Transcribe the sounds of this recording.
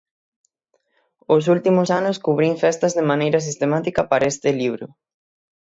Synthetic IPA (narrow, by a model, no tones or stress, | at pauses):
osult̪imʊsanʊskuβɾiɱfɛst̪azðemanejɾɐs̬ist̪emat̪ikɐpaɾaest̪ɪliβ̞ɾʊ